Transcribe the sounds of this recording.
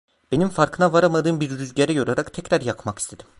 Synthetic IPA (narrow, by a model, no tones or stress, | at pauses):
b̥e̞nimfaɾkʰɯnavaɾamad̪ɯːmbiɾɾyzɟeɾɛjo̞ɾaɾakt̪ʰɛcɾaɾjakmaki̥st̪ʰe̞d̪̥im